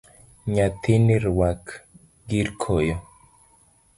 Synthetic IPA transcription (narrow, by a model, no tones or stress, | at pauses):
ɲat̪ʰiniɾwak | ɡiɾkʰojɔ